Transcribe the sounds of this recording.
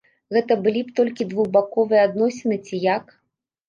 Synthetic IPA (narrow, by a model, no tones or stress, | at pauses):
ɣɛt̪ɐbɨlʲipt̪ɔlʲkʲid̪vuɣbakɔvɨjɛad̪nɔsʲɛnɨt͡sʲijak